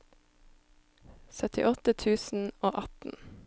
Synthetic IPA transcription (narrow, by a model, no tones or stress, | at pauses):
sœt̪ɪ̰ʔɔt̪ət̪ʰʉːsn̩oːʔɑt̪n̩